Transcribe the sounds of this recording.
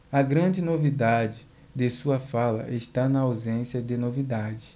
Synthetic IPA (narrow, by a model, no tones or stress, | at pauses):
ɐɡɾɐ̃d͡ʒɪnovid̪ad͡ʒɪ | d̪ɪsuɐfalɐ̰ʔeʃt̪anɐawzẽsjɐd̪ɪnovid̪ad͡ʒɪ